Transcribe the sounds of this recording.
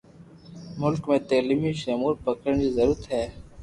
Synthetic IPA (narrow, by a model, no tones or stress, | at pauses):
mʊlkmẽːt̪eːlimiːʃeːmuːɾpəkəɳd͡ʑiːzəɾuət̪ɦɛː